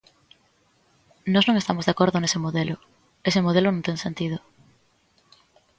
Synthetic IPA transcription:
nɔznõŋest̪amozðeakoɾðonesemoðelʊ | esemoð̞elonõŋt̪eŋsent̪ið̞ʊ

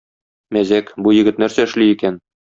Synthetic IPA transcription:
mæzækbujɘ̆ɡɘ̆t̪̚næɾsæɘ̆ʃliikæn

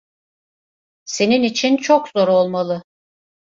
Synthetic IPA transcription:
se̞ninit͡ʃʰint͡ʃʰokzo̞ɾo̞lˠmalˠɯ

